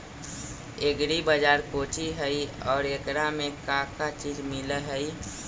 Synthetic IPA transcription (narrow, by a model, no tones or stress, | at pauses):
eɡɾibəd͡ʒaːɾkoːt͡ʃiɦəiɔːɾekɾamẽkakat͡ʃiːd͡ʒmɪləɦəi